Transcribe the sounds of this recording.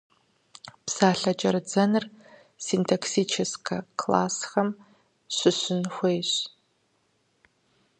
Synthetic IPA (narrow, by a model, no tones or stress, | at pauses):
psaːɬɐd͡ʒʼɐrɨd͡zɐnɨr | sintʰoksiːt͡ʃʰɪskʰɐkʰla̰ːsxɐm | ɕʷɨɕɪnxʷejɕ